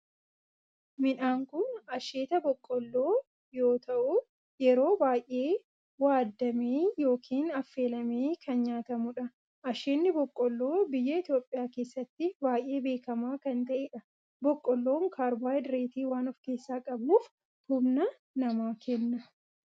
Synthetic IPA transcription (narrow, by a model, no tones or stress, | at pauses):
mɪᶑaːŋkʊnɐʃeːt̪ɐbɔkʼːɔlːo̞ː | jo̞ːt̪ɐʔʊ | jɛɾo̞ːbaːjʔe̞ː | waːd̪ːɐmeːjo̞ːkʰiːnɐfːe̞ːlɐme̞ːkʰɐnɲaːt̪ɐmʊᶑɐ | ʔɐʃeːnːɪbɔkʼːɔlːoːbɪjːɐɪt̪jo̞ːpʼːɪjaːke̞ːsːɐt̪ːɪbaːjʔːe̞ːbe̞ːkɐmaːkɐnt̪ɐʔeːᶑɐ | bɔkʼːɔlːo̞ːŋkʰaːɾbaːjd̪ɾe̞ːt̪iːwaːnɔfke̞ːsːaːkʼɐbnuːf | hʊbnɐ | nɐmaːkʰɛnːɐ